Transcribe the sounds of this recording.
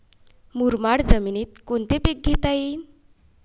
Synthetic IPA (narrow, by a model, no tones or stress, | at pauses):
muɾmaɽd͡zəminiːt̪̚kont̪epek̚ɡʱet̪ain